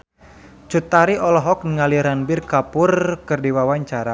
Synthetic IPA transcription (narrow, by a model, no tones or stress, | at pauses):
t͡ʃut̪aɾiʔɔlɔɦɔk̚nəŋaliɾanbɪrkapʊrkɨrdiwawaɲt͡ʃaɾa